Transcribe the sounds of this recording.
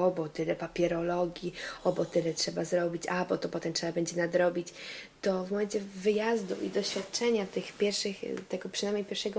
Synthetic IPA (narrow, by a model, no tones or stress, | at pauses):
ɔbɔt̪ɘlɛpapʲjɛɾɔlɔɡʲjiɔbɔt̪ɘlɛtʂɛbazɾɔbʲit͡ɕabɔt̪ɔpɔt̪ɛmtʂɛbabɛɲd͡ʑɛnad̪ɾɔbʲit͡ɕt̪ɔvmɔmɛnt͡ɕɛvɘjazd̪ṵʔḭd̪ɔɕfʲjat̪̚t͡ʂɛɲat̪ɘxpʲjɛɾfʂɘxt̪ɛɡɔpʂɨnajmɲejpʲjɛɾfʂɛɡɔ